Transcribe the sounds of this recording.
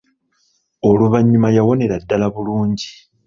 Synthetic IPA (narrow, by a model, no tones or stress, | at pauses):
o̞luβaɲːumajawo̞ne̞ɾadːalaβuluːɲɟi